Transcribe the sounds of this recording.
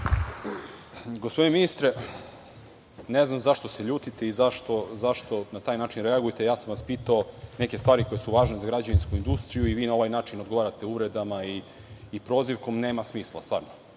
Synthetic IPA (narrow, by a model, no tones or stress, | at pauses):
ɡospod̪ineminist̪ɾe | neznamzaʃt̪ose̞ʎuːt̪it̪e̞izaʃt̪o̞zaʃt̪o̞nat̪aːjnaːt͡ʃinɾeaɡujt̪ejaːsamʋaspiːt̪aone̞kest̪ʋaːɾiko̞je̞suʋaːʒnezaɡɾad͡ʑaʋinskuind̪ust̪ɾijuiʋiːnao̞ʋajnaːt͡ʃinod̪ɡo̞ʋaːɾat̪e̞uʋɾe̞d̪amaiː | pɾo̞ːziʋko̞mne̞ːmasmiːslˠa̰st̪ʋa̰ːɾno